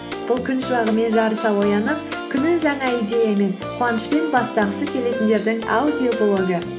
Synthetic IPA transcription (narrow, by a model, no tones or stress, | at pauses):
b̥ʊlˠkʲʰʏnʃəbɑʁəme̞nʒɑɾəsɑwo̞jɑnəp̚kʲʰʏnɪŋʒɑŋɑijd̪ʲe̞jame̞nqʰoɑnəʃpe̞nbɑst̪ɑʁəsəkʲʰe̞le̞t̪nd̪e̞ɾd̪ɪŋa̰d̪ʲiokolˠo̞ɡə